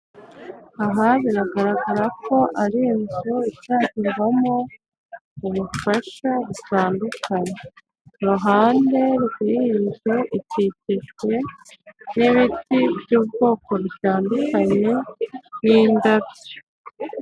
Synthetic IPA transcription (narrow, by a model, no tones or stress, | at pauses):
aɦaβiɾaɡaɾaɡaɾako̞ʔaɾiːnzuitaːciɾɡamo̞ | uβufaʃaβutaːndukʰaɲe | ɾuɦaːnde̞ɾukiiɲʒe̞ʔicicete̞ | niβitibjuːbɡo̞ːko̞ɾutaːndukaɲe̞wiːndaβo